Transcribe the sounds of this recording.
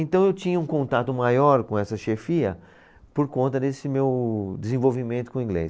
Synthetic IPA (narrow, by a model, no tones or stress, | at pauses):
ẽnt̪ɐ̃w̃ewt͡ʃĩɲɐũkõnt̪at̪ʊmajɔɾkõɛsɐʃefiɐ̰ | poɾkõnt̪ɐd̪esɪmewd͡ʒ̪ɪzẽvowvimẽnt̪ʊ̥kõĩɡlḛs